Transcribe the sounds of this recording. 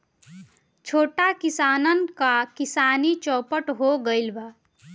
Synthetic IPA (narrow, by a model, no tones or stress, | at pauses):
t͡ʃʰoːʈakɪsaːnənkakɪsaːnit͡ʃɔ̃ːpəʈɦoɡəɪlba